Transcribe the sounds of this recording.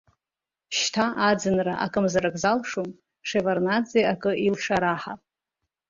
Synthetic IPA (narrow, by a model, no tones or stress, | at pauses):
ʃtʰaʔad͡zɨnraʔa̰kʼɨmzaɾakʼzalʂom | ʂevarnad͡zeakʼɨilʂaɾaħa̰